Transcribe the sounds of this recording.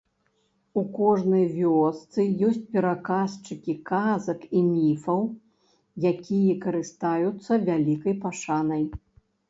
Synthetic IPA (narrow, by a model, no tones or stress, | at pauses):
ukɔʐnɐjvʲɔst̪sɨjɔsʲt͡sʲpʲɛɾakast͡ʂɨkʲikazɐkimʲifɐw | jakʲijɛkɐɾɨst̪ajut̪sːɐvʲalʲikɐjpaʂanɐj